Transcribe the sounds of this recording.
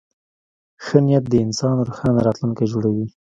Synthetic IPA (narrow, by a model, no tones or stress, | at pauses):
xənijat̪̚d̪əɪnsɑnɾoxɑnaɾɑt̪luŋkajd͡ʒoɽawi